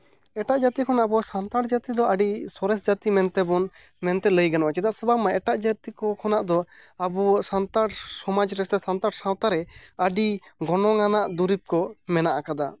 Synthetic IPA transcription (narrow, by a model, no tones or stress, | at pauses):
ɛʈaʔd͡ʒat̪ikʰɔnaabɔsant̪aɽd͡ʒat̪id̪ɔaɖisɔɾɛs̬d͡ʒat̪imɛnt̪ɛbɔn | mɛnt̪ɛləjɡanɔwat͡ʃid̪aʔsɔbamaɛʈaʔd͡ʒat̪ikɔkʰɔnaʔd̪ɔabɔsant̪aɽsɔmad͡ʒɾɛsɛsant̪aɽsãwt̪aɾɛəɖiɡɔnɔŋanaʔd̪uɾip̚kɔmɛnaʔakad̪a